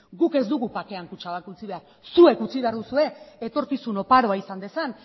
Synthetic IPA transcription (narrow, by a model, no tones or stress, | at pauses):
ɡuke̞zd̪uɣupake̞aŋkut͡ʃaakut͡siβe̞aɾ | sue̞kut͡siβe̞aɾðusue̞et̪o̞ɾkisuno̞paɾo̞aisand̪e̞san